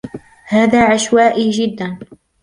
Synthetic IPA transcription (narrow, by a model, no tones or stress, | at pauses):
haːðaːʕaʃwaːʔiːd͡ʒɪd̪ːan